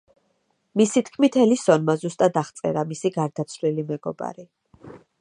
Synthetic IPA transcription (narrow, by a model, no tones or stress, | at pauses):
misit̪ʰkʰmit̪ʰɛlisɔnmazust̪ʼad̪aχt̪sʼɛ̰ɾamisiɡaɾd̪at̪sʰvlilimɛɡɔba̰ɾi